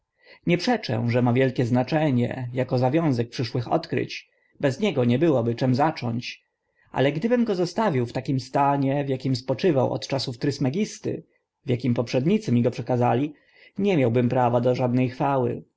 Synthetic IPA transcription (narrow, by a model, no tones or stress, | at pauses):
ɲɛpʂɛt͡ʂɛ̰ʐɛmavʲjɛlkʲɛznat͡ʂɛɲɛ̰jakɔzavʲjɔ̃w̃zɛk̚pʂɘʂwɘxɔ̰t̪kɾɘ̰t͡ɕ | bɛzɲɛɡɔɲɛbɘwɔbɘt͡ʂɛmzat͡ʂɔ̰ɲt͡ɕ | ʔa̰lɛɡd̪ɘbɘmɡɔzɔst̪avʲiwft̪akʲimst̪aɲɛvjakʲimspɔt͡ʂɘva̰wʔɔ̰t̪t͡ʂasuft̪ɾɘsmɛɡʲist̪ɘ̰ | vʲjakʲimpɔpʂɛd̪ɲit̪sɘmʲiɡɔpʂɛkazalʲi | ɲɛmʲjawbɘmpɾavad̪ɔʐad̪̚nɛjxfawɘ̰